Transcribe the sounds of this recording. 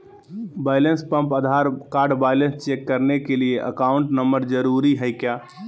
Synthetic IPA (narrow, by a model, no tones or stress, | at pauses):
baːɪlə̃nspə̃mpəd̪ʱaːɾkaːɾɖbaːɪlə̃nst͡ʃekːəɾnekelieʔəkaːʊ̃ɳʈnəmbəɾd͡ʒəɾuːɾiɦɛjkjaː